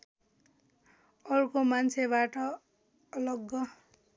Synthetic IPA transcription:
ʌrkomant͡sʰeβaʈʌː | lʌɡːʌ

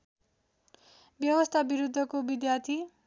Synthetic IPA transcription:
bjʌwʌst̪ʰabiɾud̪ʱːʌkobid̪jart̪ʰi

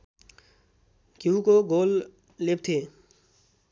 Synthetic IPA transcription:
kjukoɡoːlː | eb̚t̪ʰeː

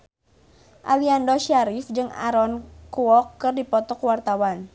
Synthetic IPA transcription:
ʔaliandɔʃaɾifd͡ʒɨŋa̰ɾɔnkuɔkːɨrdipɔt̪ɔkwart̪awan

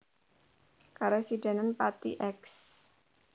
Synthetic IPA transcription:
kaɾosidananpat̪ḭʔɛks

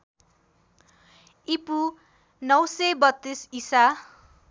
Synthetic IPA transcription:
ipu | nʌwsebʌt̪ːisisa

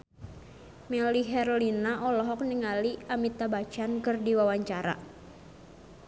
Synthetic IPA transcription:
mɛliɦɛɾolinaʔɔlɔɦɔk̚niŋaliamit̪abat͡ʃankɨrdiwawaɲt͡ʃaɾa̰

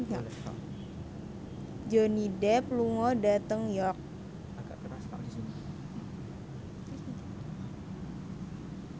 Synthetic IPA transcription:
a̰ | d͡ʒonidɛpluŋɔdat̪əŋjɔk̚ | aɡa̰ʔkəɾaska̰disini

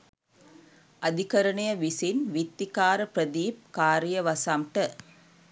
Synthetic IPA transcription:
ʔɐd̪ʱikɐɾɐɳɐjɐʋisinʋit̪ːikaːɾɐpɾɐd̪iːp̚kaːɾijɐʋɐsɐmʈɐ

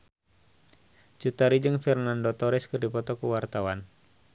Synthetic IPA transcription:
t͡ʃut̪aɾid͡ʒɨŋfɛrnandɔt̪ɔɾɛskɨrdipɔt̪ɔkuwart̪awan

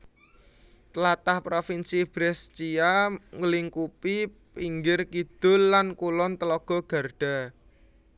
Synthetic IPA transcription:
t̪əlat̪ahpɾofinsib̥ɾɛst͡ʃiaŋəliŋkupi | piŋɡɪrkid̪̥ʊ̤lːankulɔnt̪əlɔɡ̥ɔ̤ɡ̥a̤rɖ̥a̤

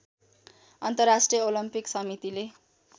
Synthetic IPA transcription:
ʌnt̪ʌrːasʈrijʌolimpiksʌmit̪ile

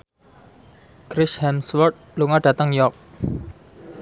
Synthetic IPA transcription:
kɾɪshɛmswɔrt̪̚luŋaɖ̥ä̤t̪əŋjɔk̚

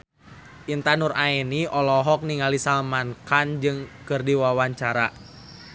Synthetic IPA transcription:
ʔint̪anuraɛniʔɔlɔɦɔk̚niŋalisalmankand͡ʒɨŋkɨrdiwawaɲt͡ʃaɾa

